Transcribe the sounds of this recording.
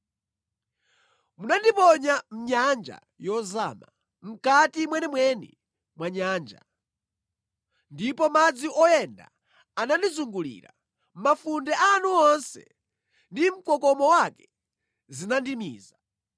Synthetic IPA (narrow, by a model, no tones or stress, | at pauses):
munandipɔɲam̩ɲand͡ʒa̰ | jɔza̰ːma | m̩katimwɛnɛmwɛnḭ | mwaɲaːnd͡ʒa̰ | ndipɔmad͡ziʔɔjɛnda̰ | anandizuŋɡulḭːɾa | mafundɛʔanuɔnsɛ̰ | ndim̩kɔkɔmɔwakɛ̥ | zinandimḭːza